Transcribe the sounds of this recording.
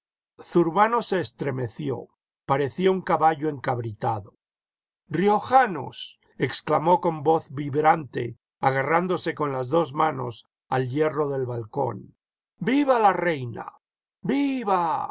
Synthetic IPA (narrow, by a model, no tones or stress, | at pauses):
θuɾβano̞se̞ːst̪ɾe̞me̞θjo̞̰ | paɾe̞θjouŋkaβaʝoe̞ŋkaβɾit̪aðo | rio̞xano̞̰s | eksklamo̞ko̞mbo̞θβiβɾant̪e̞̰ | aɣarand̪o̞se̞ko̞nlazðo̞zmano̞̰s | alje̞ro̞ðe̞lβalko̞̰n | biβalare̞jna̰ | biβa